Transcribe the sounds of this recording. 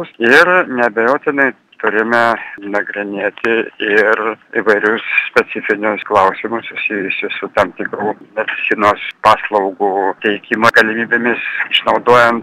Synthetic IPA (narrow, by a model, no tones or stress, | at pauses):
sɪrnʲɛbʲɛjoːt̪ʲɪnɐɪ | t̪ʊɾʲɪmʲɛnɐɡɾʲɪnʲeːt̪ʲɪɪriʋɐɪɾʲʊssʲpʲɛt͡s̪ʲɪfʲɪnʲʊsklˠɐʊsʲɪmʊssʊsʲiːjʊsʲɪsʊt̪ɐmt̪ʲɪkɾuːnʲɛt̪ʲɪsʲinoːspɑːslˠɐʊɡut̪ʲɛɪkʲimoɡɐlʲɪmʲiːbʲemʲɪsɪʃnɐʊd̪oːjɛnt̪